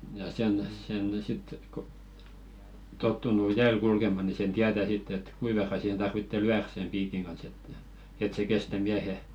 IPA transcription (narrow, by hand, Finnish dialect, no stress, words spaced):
jɑ sen sen sit k o totːunu jæːl kulkemɑ ni sen tiætæ sitː et kui ʋerːɑ sihen tɑrʋitːe lyær sem piːkiŋ kɑns etːæ et se kestæ miæhe